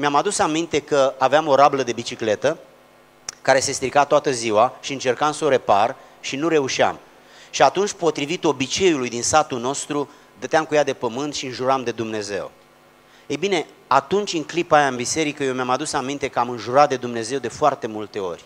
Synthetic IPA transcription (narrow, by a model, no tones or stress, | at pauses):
meamad̪usamint̪e̞kəaveamo̞ɾabləd̪e̞bit͡ʃikle̞t̪ə | kaɾe̞se̞st̪ɾikat̪oat̪əziwaʃiɨnt͡ʃe̞rkamsəoɾe̞par | ʃinuɾe̞uʃia̰m | ʃiat̪unt͡ʃʲpo̞t̪ɾivit̪o̞bit͡ʃe̞julujd̪insat̪uno̞st̪ɾu | d̪ət̪eamkujad̪e̞pəmɨnt̪ʃiɨnʒuɾamd̪e̞d̪umne̞ze̞̰w | ejbine̞ | at̪unt͡ʃʲɨŋklipajaɨnbise̞ɾikəjewmeamad̪usamint̪e̞kəamɨnʒuɾat̪̚d̪e̞d̪umne̞ze̞wd̪e̞foart̪e̞mult̪e̞o̞̰rʲ